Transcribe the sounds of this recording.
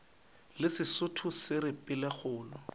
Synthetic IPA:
lɪsɪsʊtʰʊsɪɾɪpʼɪlɛk͡xʊːlɔ

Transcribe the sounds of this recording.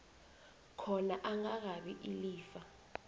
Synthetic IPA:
kʰɔnaʔaŋak̬aɓiʔiliːfa

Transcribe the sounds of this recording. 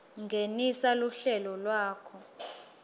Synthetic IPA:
ŋɡʱenisaluɬɛlɔlwaːkʰɔ

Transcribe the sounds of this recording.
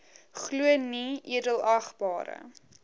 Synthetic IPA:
χluəniiədəlˠɐχbɑːɾə̰

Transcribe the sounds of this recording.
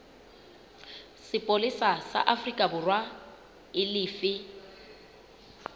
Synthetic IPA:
sɪpʼolɪsasa̰ʔafrikʼabʊrwa | ɪlɪːfɪ

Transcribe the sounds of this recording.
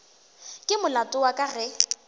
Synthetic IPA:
kʼɪmʊlatʼʊwakʼarɪ

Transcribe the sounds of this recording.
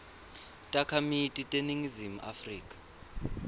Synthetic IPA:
tʼakʰamitʼitʼeniŋizimuʔa̰friːkʼḁ

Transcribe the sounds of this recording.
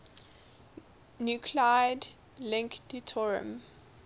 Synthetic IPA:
njukʰlaɪd | lɪ̃ŋkditʰɔɹiə̰̃m

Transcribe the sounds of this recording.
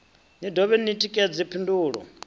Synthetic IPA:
nidʱɔβɛnitʼikʼɛd͡zipʰinduːɺɔ̰

